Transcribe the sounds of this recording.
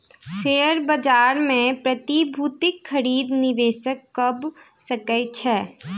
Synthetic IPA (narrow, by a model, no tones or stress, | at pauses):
seːəɾbɐd͡ʒaːɾmẽpɾɐt̪ibʱuːt̪ɪkxɐɾiːd̪nɪʋeːʃəkːɐb | səkəjt͡ʃʰɛː